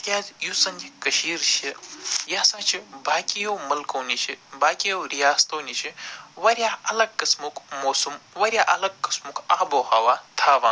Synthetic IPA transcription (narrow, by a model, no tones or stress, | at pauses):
kʲaːzjusɐnikɐʃiːɾt͡ʃʰijaːsãːt͡ʃʰibaːkijowmɐlkoːnʲit͡ʃʰibaːkijowɾijaːst̪ʰoːnʲit͡ʃʰiʋɐɾʲjaːɐlɐɡ̚kɐsmukmoːsumʋɐɾʲjaːʔɐlɐɡ̚kɐsmukaːboːhɐʋaːt̪ʰaːʋãː